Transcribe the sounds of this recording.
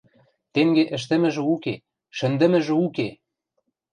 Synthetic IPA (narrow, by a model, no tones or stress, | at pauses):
t̪eŋɡeʔə̆ʃ̬t̪ə̆mɘ̆ʒɘ̆uke | ʃɘ̆nd̪ə̆mɘ̆ʒɘ̆uke